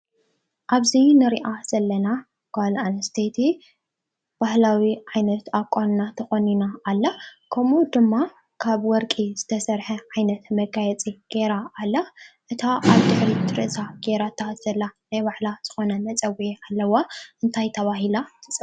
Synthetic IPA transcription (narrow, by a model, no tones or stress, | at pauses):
ʔaβzinɨɾiʔaz̥ɐlːɐna | ɡ̥alanɐst̪ʰet̪ʰi | b̥ahlawiʕajnɐt̪akʷʼːannat̪ʰɐxoninaːlːakʰɐmud̪ɨmːa | kʰaβwɔɾkʼiz̥ɨt̪ʰɐsɐɾħɐʕajnɐt̪mɐɡajɛt͡sʼiɡ̥eɾaːlːaʔɨt̪ʰaʔaβd̪ɨħɾit̪ʰɨɾɨʔsaɡ̥eɾat̪ʰːazɐlːanajbaħlaz̥ɨxo̞nɐmɐt͡sʼɐwiialːɐwaʔɨnt̪ʰajt̪ʰɐβaɦilat̪ʰɨt͡sʼɨ